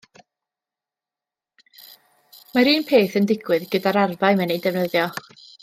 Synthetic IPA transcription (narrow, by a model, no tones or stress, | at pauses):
maɾiːnpʰeːθəndɪɡ̥wɨðɡədaɾarvaɨmɛnidɛvnəðjɔ